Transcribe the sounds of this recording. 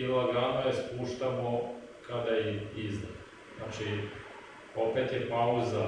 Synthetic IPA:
ilaɡɾaːnajespuːʃt̪amo | kad̪ajiizd̪a | znaːt͡ʃi | o̞pet̪jepauza

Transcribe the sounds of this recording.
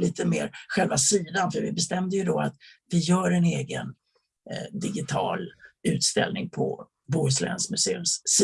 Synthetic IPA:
liːt̪əmeːɾɧɛlvasiːd̪anfœɾvɪbɛst̪ɛmd̪əjɵd̪ɔa̰t̪vɪjœːɾɛneːɡə̰n | d̪ɪɡɪt̪ʰɑ̰ːlʉ̟ːt̪st̪ɛ̰lnɪŋpʰɔ̰ | buʉslɛ̰nsmɵseːɵ̰msːi

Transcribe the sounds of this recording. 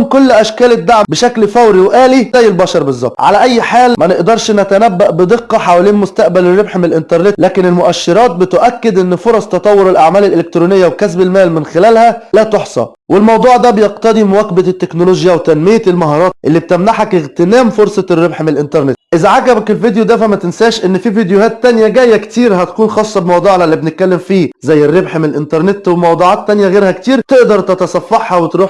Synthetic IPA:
mkolːʔæʃkæːlɪd̪ːaʕmbɪʃæklfæwɾiwʔæːlizæjːɪlbɑːʃɑɾˤbezˤːɑb̚t̪ʕa̰læʔæjːħaːlmænɪʔd̪ɑɾˤʃnæt̪ænæbːæʔbɪd̪ˤeqːɑħaːwæliːnmʊst̪æʔbælɪrːebħmɪnɪlʔɪnt̪ɑɾˤnet̪læːkɪnɪlmʊʔæʃːeɾˤɑːt̪̚bɪt̪ʊʔækːɪd̪ʔenːfoɾˤɑsˤt̪ɑt̪ˤɑwːoɾɪlʔaʕmæːlɪlʔelek̚t̪ɾuːnɪjːæwkæs̬bɪlmæːlmɪnxɪlæːlhælæːt̪oħsˤɑ̰ | welmɑwd̪ˤuːʕd̪æbejeqt̪ɑd̪ˤimʊwækbæt̪ːeknoloːʒjæwt̪ænmejælmɑɦɑːɾˤɑːt̪ʔelːib̚t̪æmnaħækɪɣt̪enæːmfoɾsˤɑrːebħmenelʔɪnt̪ɑɾˤnet̪ʔɪzæʕaɡæbækelvid̪jod̪æfæmæt̪ɪnsæːʃʔenːfiːvid̪johæːt̪ːænjæɡæjːækt̪iːɾhæt̪æ̥kuːnxɑːsˤːɑbemɑwd̪ˤuːʕlælːibnɪt̪̚kælːemfiːzæjːerːebħmenelʔɪnt̪ɑɾˤnet̪wemɑwd̪ˤuːʕɑːt̪ːænjæɣeːɾhækt̪iːɾt̪eʔd̪ɑɾˤt̪et̪ɑsˤɑfːɑħhɑwet̪ɾuːħ

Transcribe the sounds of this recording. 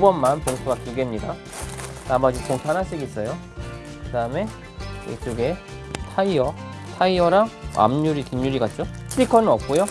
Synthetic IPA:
bʌnmanpoŋsʰoɡat͡ɕuɡe̞mɲida | namʌd͡ʑipoŋtʰanas͈ʰɯiɡis͈ʌjo | kɯdaɯme̞ | ḛt͡ɕuɡe̞ | tʰaiʌ | tʰaiʌɾaa̰mɲuɾikimɲuɾiɡat̚t͡ɕ͈otʰɯɾikʰʌnɯnʌp̚k͈ujo

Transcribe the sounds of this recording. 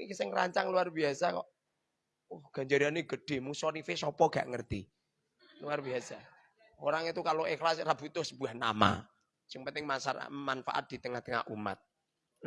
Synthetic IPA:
ikisɪŋra̰ɲt͡ʃaŋluarbiasakɔ̰ʔ | ʊhɡ̥a̤ɲd͡ʒaɾianeɡəɖ̥e̤musɔnifesɔpɔɡ̥a̤̰ʔŋərt̪i | luarbiasa | oɾaŋit̪ukaloʔexlasrab̥ut̪ʊsəb̥uahna̰ma̰ | sɪŋpənt̪ɪŋmasamanfa̰ʔa̰t̪̚d̪̥i̤t̪əŋaht̪əŋa̰ʔuma̰t̪̚

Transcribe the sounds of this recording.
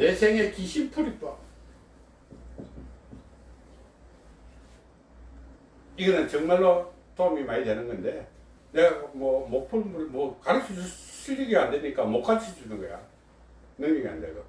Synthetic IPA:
nesʰeŋekiɕʰimtʰoɾik̚t͈a | iɡʌnɯnt͡ɕʌŋmaɭːo | toamimaɲidenɯnɡʌnde̞ | ne̞ɡamwʌmok̚pʰuɭmumʌkaɾɯk̚t͡ɕʰid͡ʑus͈ʰiʎːiɡiandeɲik͈amok͈at͡ɕʰid͡ʑunɯnɡʌja̰ | nɯŋɲʌɡia̰ndeɡo

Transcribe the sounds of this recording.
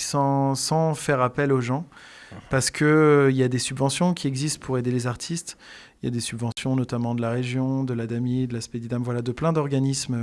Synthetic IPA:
sɑ̃sɑ̃fɛʁapɛloʒɑ̃ | paʁsə̥kʰəiljad̪esybvɑ̃sjɔ̃kʲiɛɡzist̪̚pʰuʁed̪elezaʁt̪ʰist̪ | ilja̰d̪esybvɑ̃sjɔ̃nɔt̪amɑ̃d̪əlaʁeʒjɔ̃d̪əlad̪amid̪əlaspɛd̪id̪amvwalad̪əplɛ̃d̪ɔʁɡanism

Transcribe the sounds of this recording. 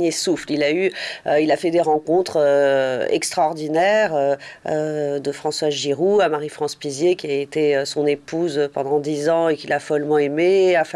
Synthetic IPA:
esuflilayøilafɛd̪eʁɑ̃kɔ̃t̪χøɛ̰kst̪χaɔʁd̪inɛʁøød̪əfχɑ̃swazʒiʁuamaʁifχɑ̃spizjekʲiaet̪eøsɔ̃nepuzøpɑ̃d̪ɑ̃d̪izɑ̃ekʲilafɔlmɑ̃emeaf

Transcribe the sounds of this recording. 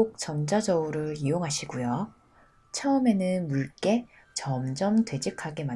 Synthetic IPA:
ok̚t͡ɕʌmd͡ʑad͡ʑʌuɾɯɭijoŋɦaɕʰiɡujo | t͡ɕʰʌʌme̞nɯnmuɭk͈e̞ | t͡ɕʌmd͡ʑʌmtwe̞d͡ʑikʰaɡe̞ma

